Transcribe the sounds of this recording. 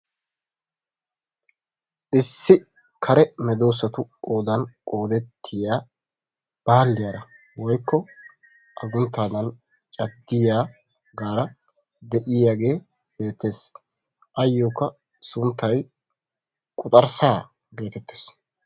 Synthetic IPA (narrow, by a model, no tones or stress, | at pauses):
ʔɪsːɪ | kʰɐɾɛmɛd̪o̞ːs̬ɐt̪ʊoːd̪ɐnkʼoːd̪ɛt̪ʰːɪjaː | b̥aːlːɪjaɾɐ | wɔjkːɔ | ʔɐɡʊnt̪ːaːd̪ɐn | t͡ʃʼɐd̪ːɪjaː | ɡaːɾɐ | d̪ɛʔɪjaːɡe̞ː | be̞ːt̪ːe̞ːs | ʔɐjːoːkːɐ | sʊnt̪ːɐj | kʼʊt̪ʼɐɾsaː | ɡe̞ːt̪ɛt̪ːeːs